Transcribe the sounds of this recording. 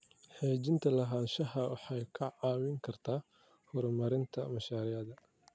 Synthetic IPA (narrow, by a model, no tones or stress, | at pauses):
ħɛːt͡ʃɪnt̪ʰɐlɐɦaːnʃɐɦɐwɑħɑjkʰɐʕɑːwɪŋkʰɐrt̪ʰaː | hɔɾmɐɾɪnt̪ʰɐmɐʃaːɾɪɐðɐ